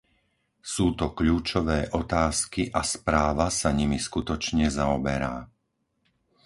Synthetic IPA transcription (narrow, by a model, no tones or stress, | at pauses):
suːt̪ɔkʎuːt͡ʃɔʋɛːʔɔt̪aːskiʔaspɾaːʋasaɲimiskut̪ɔt͡ʃɲɛzaɔbɛɾa̰ː